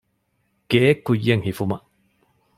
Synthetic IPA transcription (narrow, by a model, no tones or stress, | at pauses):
kekujeŋhifuma